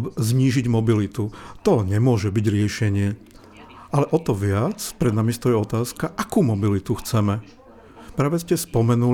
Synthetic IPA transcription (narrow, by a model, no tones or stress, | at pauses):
bzɲiːʒiɟmɔbilit̪ut̪ɔɲɛmʊɔʒɛbiɟɾɪɛʃɛɲɪɛ | ʔalɛʔɔt̪ɔʋɪat͡spɾɛd̪namist̪ɔjɛɔt̪aːskaʔakuːmɔbilit̪uxt͡sɛmɛ | pɾaːʋɛscɛspɔmɛnu